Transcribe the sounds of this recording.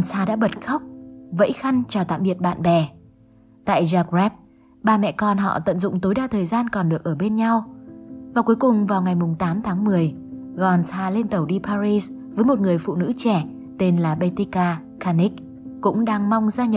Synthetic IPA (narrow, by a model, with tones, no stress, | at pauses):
nsaː˧ɗa̰ː˧˥ɓə˨˩t̚xa˦˥wk͡p̚və̰˧˥jxa˧jŋ̟t͡ɕɔ˧˩t̪a̰ː˧˨mɓi˨˩ət̚ɓa̰ː˧˨nɓɛ˨˩ | t̪a̰ː˧˨jzaː˧k̚ɹɛ˦˥p̚ | ɓaː˨˩mɛ̰˧˨kɔ˨˩nɦɔ̰˧˨t̪ə̰˧˨nzʊ̰˧˨ŋ͡mt̪o˨˦jɗaː˨˩t̪ʰəː˨˩jzaː˧nkɔ˨˩nɗɨ˨˩ək̚ʔəː˧˩ɓe˧nɲa˧wvaː˨˩ku˨˦jkʊ˨˩ŋ͡mvaː˨˩wŋa˨˩jmʊ˨˩ŋ͡mt̪aː˨˦mt̪ʰaː˨˦ŋmɨ˨˩əj | ɣɔ˨˩nsaː˧le˧nt̪ə˨˩wɗi˧paː˧ɾi˧s | vəː˨˦jmo˨˩t̚ŋɨ˨˩əjfṵ˧˨nɨ̰˧˥t͡ɕɛ˧˩ | t̪e˧nlaː˨˩ɓe˧t̪i˧˦˥kaː˧ | kaː˧ni˦˥k̚ | kʊ̰˧˥ŋ͡mɗaː˧ŋma˧wŋ͡mzaː˧ɲə˨˩